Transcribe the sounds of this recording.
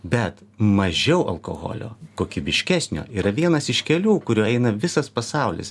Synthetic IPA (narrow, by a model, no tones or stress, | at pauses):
bʲɛt̪mɐʒʲɛʊʔɐlˠko̰ːɣo̰ːlʲo̰ːkoːkʲibʲɪʃʲkʲæsʲnʲo̰ːʔiːɾɐʋʲiɛnɐsɪʃkʲɛlʲuːkʊɾʲuːɛɪnɐʋʲɪsɐspɐsɑˑʊlʲɪ̰s